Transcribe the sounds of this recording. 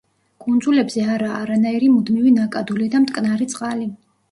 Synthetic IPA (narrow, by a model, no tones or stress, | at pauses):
kʼund̪zulɛbzɛaɾaːɾanaiɾimud̪mivinakʼad̪ulid̪amt̪ʼkʼnaɾit̪sʼqʼali